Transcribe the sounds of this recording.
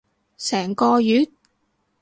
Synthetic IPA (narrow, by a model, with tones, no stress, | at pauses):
sɛː˨˩ŋkɔː˧jyː˨˥t̚